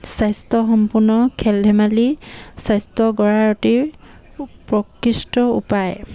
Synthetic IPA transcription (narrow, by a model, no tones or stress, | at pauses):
sajstɔxɔmpunɔkʰɛlɛmalisajstɔɡɔɹaɹɔti | pɹɔkɹistɔṵpaj